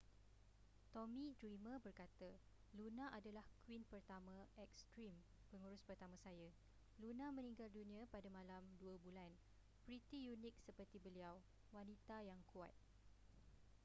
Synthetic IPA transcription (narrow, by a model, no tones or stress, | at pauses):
t̪omĩdɾimə̃bərkat̪ə | lunãʔadalahkwinpərt̪amãɛk̚st̪ɾim | pəŋuɾʊspərt̪amãsaja | lunãmə̃nĩŋɡaldunĩãpadamãlamduəbulan | pɾit̪ijunɪk̚səpərt̪ibəliaw | wanit̪ajaŋkua̰t̪̚